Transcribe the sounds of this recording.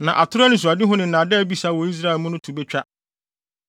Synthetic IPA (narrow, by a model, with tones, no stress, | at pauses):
nã˨ʔa˨tʰʊ˦ɾa˦nɪ̃˦s̬ʊ˨a˨dɪ˦ɦʊ̃˦nɪ̃˨n̩˨nã˨dɛ˦˨˦bi˨saː˦˨wɔ˨i˦s̬ɾa˦ɪ˨lmʊ̃˦nʊ̃˦tʰu˨be˦t͡ɕᶣa˦